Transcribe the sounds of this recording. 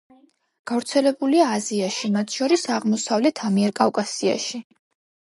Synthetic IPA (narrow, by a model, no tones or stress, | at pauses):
ɡ̥avɾt̪sʰɛlɛbuliaːziaʃimat̪ʰʃɔɾisaʁmɔsavlɛt̪ʰamiɛɾkʼafkʼasia̰ʃi